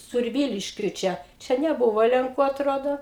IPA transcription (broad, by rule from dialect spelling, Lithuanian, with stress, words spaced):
sʊrʲˈʋʲiːlʲɪʃʲkʲʊɪ ˈt͡ʃʲɛ ˈt͡ʃʲɛ nʲɛˈbʊʋoː lʲɛŋˈkuː ɐtˈroːdoː